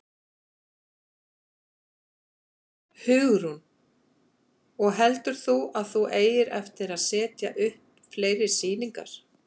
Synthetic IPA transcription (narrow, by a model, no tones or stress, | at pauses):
hʏːɣɾ̥hun | ɔɣɦɛlt̪ʏɾ̥θuaðθuʔeːjɪɾɛ̰ft̪ɪɾaðsɛːt̪ja̰ʔʏhpnfleːjɾɪ̥siːniŋka̰ɾ̥